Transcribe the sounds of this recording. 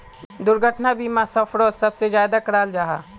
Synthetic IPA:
d̪ʊɾɡʱəʈnabiːmasɔːpʰɾoːlsɐbsezjaːd̪akɾaːld͡ʒaːɦaː

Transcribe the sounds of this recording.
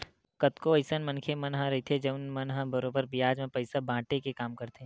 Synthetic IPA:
kɐt̪koəɪsənmɐ̃nkʰemɐnɦəɾɐɦit̪ʰed͡ʒɐʊnmɐnɦə̃bɐɾobəɾbɪjaːd͡ʒmẽpɐɪsabʱãːʈekekaːmkɐɾt̪e

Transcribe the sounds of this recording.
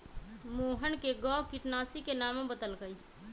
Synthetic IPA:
moːɦənkeɡɔ̃ːkɪʈnaːsikenaːmẽbəd̪əlɡəi

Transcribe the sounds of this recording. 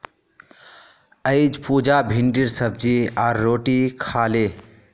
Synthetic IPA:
əɪd͡ʒpuːd͡ʒabʱiɳɖiɾsəb̚d͡ʒiaːɾːoːʈikʰaːle

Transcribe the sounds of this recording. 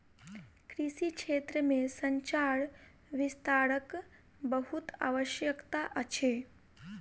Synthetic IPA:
kɾiʃikeːt̪ɾəmẽsə̃ɲt͡ʃaːɽ | ʋɪst̪aːɾək | bəɦut̪a̰ːʋəʃjəkt̪aʔət͡ʃʰe

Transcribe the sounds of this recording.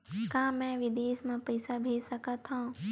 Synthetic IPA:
kãːmɛ̃ʋɪd̪eːsmẽpɐɪsabʱeːd͡ʒsɐkət̪ɦãː

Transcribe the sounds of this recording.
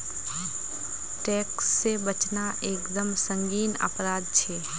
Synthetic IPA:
ʈɛːksːebət͡ʃnaʔeːkd̪əmsə̃ŋɡiːnə̰pɾaːd̪̚t͡ʃʰeː

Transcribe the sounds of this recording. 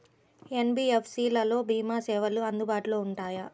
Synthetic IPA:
enbiːepʰsiːlɐlo̞ːbʱiːmaːsɛːʋɐluɐnd̪ubaːʈuloːuɳʈaːjɐ

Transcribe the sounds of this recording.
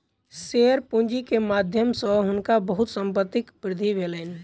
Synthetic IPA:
seəɾpũnd͡ʒikemad̪ʱjəmsə̃ɦʊnkabəɦut̪səmpət̪ːɪkbɾɪd̪ʱibʱelən

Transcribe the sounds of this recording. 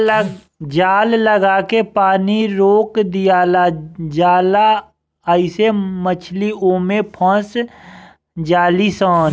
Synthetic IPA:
d͡ʒaːlːəɡaːkepaːniɾoːkd̪ijaːlad͡ʒaːla | əɪsemət͡ʃʰlioːmẽpʰə̃s | d͡ʒaːlisaːn

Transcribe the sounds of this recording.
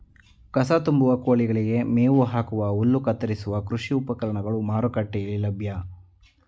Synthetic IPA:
kɐsat̪umbuʋɐkoːɭiɡɐɭiɡe̞meːʋuɦaːkuʋɐulːukɐt̪ːɐɾisuʋɐkɾuʂiupɐkɐɾɐɳɐɡɐɭumaːɾukɐʈːejɐlːilɐbʱjɐ

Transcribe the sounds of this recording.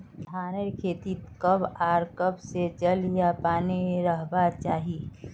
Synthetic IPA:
d̪ʱaːneɾkʰeːt̪it̪kəbaːɾkəbset͡ʃəljapaːniɾəɦbat͡ʃaːɦi

